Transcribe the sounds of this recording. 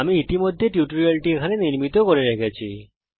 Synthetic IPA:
amiit̪imod̪ʱːeʈjuʈoɾialʈiekʰaneniɾmit̪okoɾeɾekʰet͡ɕʰi

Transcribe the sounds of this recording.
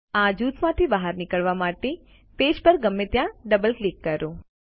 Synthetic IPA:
ãd͡ʒut̪ʰmãt̪ʰibəɦaɾnɪkəɭʋamaʈe | ped͡ʒpəɾɡəmːet̪jãɖəbəlklikːəɾõ

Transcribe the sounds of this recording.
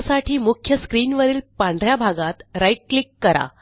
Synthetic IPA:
saʈʰiːmukʰjəskɾiːnʋəɾiːlpãɳɖʱɾjabʱaɡat̪ɾaiʈ̚klikːəɾa̰

